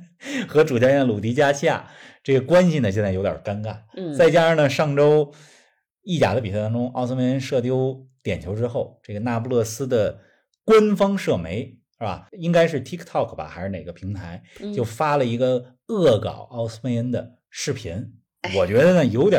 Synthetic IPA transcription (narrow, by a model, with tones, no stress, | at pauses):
xɤ˧˥ʈ͡ʂu˨˩t͡ɕjɛ˥˩nə˨lu˨˩t̪i˧˥t͡ɕja˥ɕʰja̰˥˩ʈ͡ʂɤ˥˩ɡə˩kwa˥nɕi˧nə˩ɕjɛ˥˧nt͡sa˥˩jo˧˥ʊjɑ̰˞˨˩ka˥nka˥˩nt͡sa˥˩ɪt͡ɕja˥˩nə˩ʂɑ˥˩ŋʈ͡ʂo˥ʊ | i˥˩t͡ɕja̰˨˩də˧pi˨˩˥t̪ɑ˥ŋʈ͡ʂʊ˥ŋɑ˥˧ʊs̩˥me˧ɪə˥nʂɤ˥˩t̪jo˥ʊt̪jɛ˨˩nt͡ɕʰjo˧˥ʊʈ͡ʂɻ̩˥xo˥˧ʊʈ͡ʂɤ˥˩ɡə˩na˥˧p̬u˥˧lɔ˥˩sɹ̩˥d̪ə˨ | kwə˥nfɑ˥ŋʂɤ˥˩me˧˥ɪ | ba̰˨˩i˥ŋka˥ɪʂɻ̩˥˩t̪ʰi˥kʰt̪ʰɑ˥˩kʰba̰˩xa˧˥ʂ̩˥˧ne˨˩˧ɡə˧pʰi˧˥ŋt̪ʰa˧˥ɪt͡ɕjo˥˩ʊfa˥lə˨i˧˥ɡə˧ | ɤ˥˩kɑ̰˨˩ʊʔɑ˥ʊs̩˥me˧˥ɪə˥nd̪ə˨ | ʂɻ̩˥˩pʰḭ˧˥n | wɔ˨˩t͡ɕɥɛ˧˥d̪ə˧nə˩jo˧˥ʊt̪jɑ˨˩